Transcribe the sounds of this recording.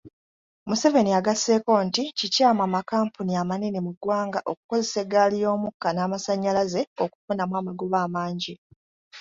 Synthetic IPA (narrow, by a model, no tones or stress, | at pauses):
muse̞ve̞niaɡase̞ːko̞ːnticicaːmwaːmakaːmpuniamaninimuɡwaːŋɡaʔo̞ku̥ko̞ze̞se̞ɡaːlijo̞ːmukːanaːmasaɲːalaze̞o̞ku̥funamwaːmaɡuβaːmaːɲɟi